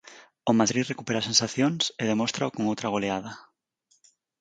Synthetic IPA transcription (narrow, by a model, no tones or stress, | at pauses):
ʊmaðɾirekupeɾasensaθjoŋseð̞emost̪ɾaokoŋowt̪ɾaɣ̞oleað̞ɐ